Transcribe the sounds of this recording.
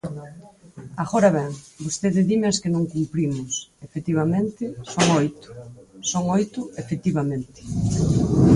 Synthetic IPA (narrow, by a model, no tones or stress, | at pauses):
aɣoɾaβɛŋbost̪eðɪðimaskɪnõŋkumpɾimʊsefet̪iβ̞amẽnt̪ɪsoŋojt̪ʊ̥soŋojt̪ʊefet̪iβamẽnt̪ɪ̥